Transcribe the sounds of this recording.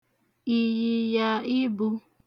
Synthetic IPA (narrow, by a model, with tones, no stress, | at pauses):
i˨ji˨ja˦i˦bu˦